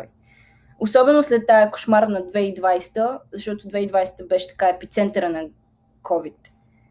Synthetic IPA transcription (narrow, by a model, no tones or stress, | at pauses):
osɔbɛnoslɛt̪ːajəko̥ʃmaɾənɐd̪vɛid̪vajsɛ̥t̪əzɐʃt̪ɔt̪od̪vɛid̪vajsɛ̥t̪əbɛʃɛ̥t̪ɐ̥kaɛpit̪sɛnt̪əɾənɐ | kʰɔvit̪